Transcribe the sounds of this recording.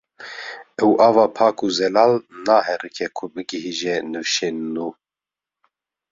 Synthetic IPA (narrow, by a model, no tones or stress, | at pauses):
ɛwʔɑːvɑːpʰɑːkʰuzɛlɑːlnaːhɛrɨkʰɛkʰʊbɨɡɨhiːʒɛnɨfʃeːnːuː